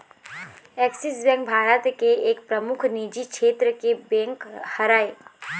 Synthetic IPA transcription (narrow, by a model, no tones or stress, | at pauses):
ɛːksisbɛ̃ːŋk̚bʱaːɾət̪keeːkpɾəmʊkʰniːd͡ʒikʃʰeːt̪ɾəkebɛ̃ːŋkhɐɾaːe